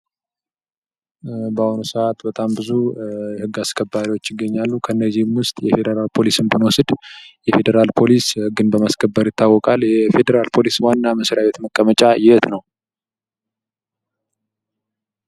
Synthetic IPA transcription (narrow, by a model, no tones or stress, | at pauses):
bahonusəʔat̪bət̪ʼambɨzujɛhɨɡːaskʰəbːaɾiwo̞t͡ʃːɪɡːəɲːalːukʰəɨnːəzːihmwʊst̪ʼjɛfe̞d̪əɾalpʰo̞lisɨnbɨnwosɨd̪̥jɛfe̞d̪əɾalpʰo̞lishɨɡːɨnbəmaskʰəbːəɾjɪt̪ʰːawːɔkʼalːjɛfe̞d̪əɾalpʰo̞liswanːaməsɾjaβe̞t̪məkʼːəmət͡ʃʼajɪhɛt̪nəw